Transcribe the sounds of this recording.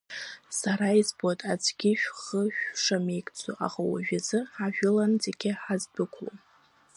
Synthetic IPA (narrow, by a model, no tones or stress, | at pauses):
saɾaizbatʼad͡zɡʲɪʃᶣχəʃᶣʂame̞jkʰʼt͡sʰʼṵʔa̰ʁawa̰ʒᶣazɨaʒᶣʊland͡zeɡʲɪħazdɨkʷʰlo̰